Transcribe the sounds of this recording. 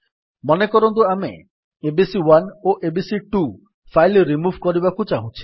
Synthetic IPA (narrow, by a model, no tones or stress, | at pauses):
mɔnekɔɾɔnt̪̬uamḛ | ebisiwanoʔebisiʈu | fʰajlɾimubʱkɔɾibakut͡ʃaɦũt͡ʃʰi̥